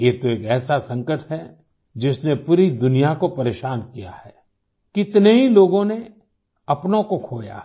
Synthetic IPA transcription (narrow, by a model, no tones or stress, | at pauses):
jet̪oeːkɛːsasɐ̃ŋkəʈɦɛ | d͡ʒɪsnepuːɾid̪ʊnijakopɐɾeːʃaːnkija̰hɛː | kɪt̪neɦiloːɡõne | ɐpnõkokʰoːja̰